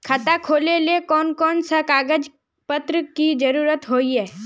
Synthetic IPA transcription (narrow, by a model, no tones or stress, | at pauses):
kʰat̪akʰoːlelekɔːnkɔːnsakaːɡəd͡ʒ | pət̪ɾəkid͡ʒɐɾuːɾət̪ɦoːiɦɛː